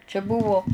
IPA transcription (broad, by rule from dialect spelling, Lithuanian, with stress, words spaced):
t͡ʃʲɛ ˈbʊʋoː